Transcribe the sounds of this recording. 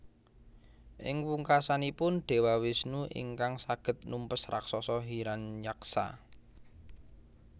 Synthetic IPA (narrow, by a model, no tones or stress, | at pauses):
ʔɪ̰ŋwuŋkasanipʊnɖ̥e̤wawɪsnuʔḭŋkaŋsaɡ̥ə̤t̪̚numpəsra̰ksɔsɔɦiɾanjaksa̰